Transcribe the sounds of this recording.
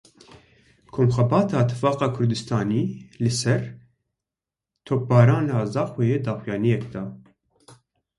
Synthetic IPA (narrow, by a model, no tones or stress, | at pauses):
kʰoːmxɛbɑːt̪ʰɑːt̪ʰːɨ̥fɑːqɑːkʰʊɾd̪ɨst̪ʰɑːniːlɨsɛɾ | t̪ʰoːk̚bɑːɾɑːnɑːzɑːxweːjeːd̪ɑːxujɑːnijɛkd̪ɑː